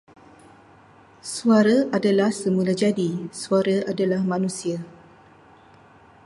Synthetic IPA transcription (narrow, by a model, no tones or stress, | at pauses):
suaɾaʔadalahsəmulad͡ʒadisuaɾaadalahmãnũsia